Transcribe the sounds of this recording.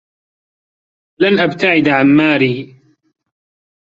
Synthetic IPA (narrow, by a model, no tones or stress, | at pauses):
lanʔabt̪aʕɪd̪ʕanmaːɾiː